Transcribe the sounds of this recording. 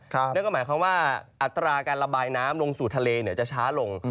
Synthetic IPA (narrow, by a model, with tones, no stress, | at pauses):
kɔː˥maː˩˦jkʰa˧mwaː˥˩ʔa˨˩t̪ːɾaː˧kaː˧nɾa˧baː˧jnaː˦˥mlo˧ŋsuː˨˩t̪ʰa˧leː˧ni˩˦ɐt͡ɕa˨˩t͡ɕʰaː˦˥lo˧ŋ